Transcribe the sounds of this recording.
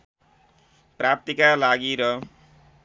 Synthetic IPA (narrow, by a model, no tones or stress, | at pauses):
prap̚t̪ikalaɡiɾʌ